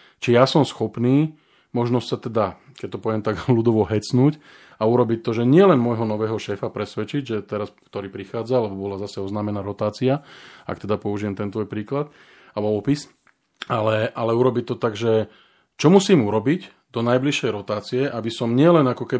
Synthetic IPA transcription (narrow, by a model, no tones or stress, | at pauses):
t͡ʃijasɔmsxɔpniː | mɔʒnɔsʲsat̪ɛd̪a | kɛc̚t̪ɔpɔʋɛmt̪aɡlud̪ɔʋɔɦɛt͡snuːc | auɾɔbic̚t̪ɔʒɛɲɪɛlɛnmɔjɦɔnɔʋɛːɦɔʃɛːfapɾɛsʋɛt͡ʃiɟʒɛt̪ɛɾaskt̪ɔɾiːpɾixaːd͡zalɛbɔbɔlazasɛɔznaːmɛnaːɾɔt̪aːt͡siaa̰kt̪ɛd̪apɔuʒijɛmt̪ɛnt̪ʋɔjpɾiːklat̪ | abɔɔpis | alɛʔalɛuɾɔbic̚ʲt̪ɔt̪aɡʒɛ | t͡ʃɔmusiːmuɾɔbic | d̪ɔnajbliʃɛjɾɔt̪aːt͡siɛʔabisɔmɲɪɛlɛnakɔkɛ